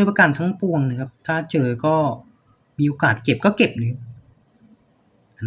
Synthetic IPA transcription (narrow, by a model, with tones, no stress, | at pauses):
pa˧kaː˧nt̪ʰa˦˥ŋpu˧əŋna˧˩kʰa˦˥p̚t̪ʰaː˥˩t͡ɕɤː˧kɔː˥˩ | miː˧ʔoː˧kaː˨˩t̪̚ke˨˩p̚kɔː˥˩ke˨˩p̚nɯ˨˦ | ʔn